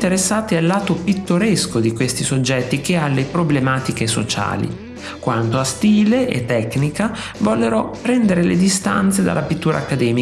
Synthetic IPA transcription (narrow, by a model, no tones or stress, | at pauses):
t̪eɾesːaːt̪ialːaːt̪opit̪ːoɾeskod̪ikwest̪isod͡ʒːɛt̪ːik̟ealːepɾoblemaːt̪ikeso̰t͡ʃa̰ːlḭ | kwant̪oast̪iːleʔḛt̪ːɛkːnika | vɔlːeɾɔpɾɛnd̪eɾeled̪ist̪a̰nt̪sed̪a̰lːapit̪ːuːɾa̰ːkːad̪ɛːmi